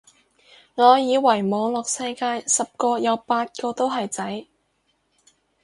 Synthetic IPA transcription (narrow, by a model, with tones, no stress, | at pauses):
ŋɔː˨˧jiː˨˧wɐ˨˩jmɔː˨˧ŋlɔː˨k̚sɐ˥jkaː˧jsɐ˨p̚kɔː˧jɐ˨˧wpaː˧t̚kɔː˧t̪o˥wɦɐ˨jt͡sɐ˨˥j